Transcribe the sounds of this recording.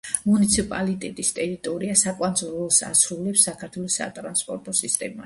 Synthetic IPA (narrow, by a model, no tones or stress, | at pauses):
munit̪sʰipʼa̰lit̪ʼɛt̪ʼist̪ʼɛɾit̪ʼɔɾiasakʼwanzɔɾɔsa̰sɾulɛpsːakʰaɾt̪ʰwɛlˠɔsːa̰t̪ʼɾanspʼɔɾt̪ʼɔsist̪ʼɛ̰ma